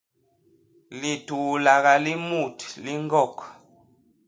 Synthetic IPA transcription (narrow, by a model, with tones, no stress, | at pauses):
li˨tu˨la˨ɣa˨li˦mu˦˨tli˦ŋ˦ɡɔ˦˨k